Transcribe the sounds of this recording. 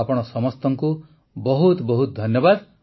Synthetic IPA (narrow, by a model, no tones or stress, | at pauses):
apɔɽ̃ɔsɔmɔst̪ɔŋku | bɔɦut̪bɔɦut̪ɔd̪ʱɔnjɔbad̪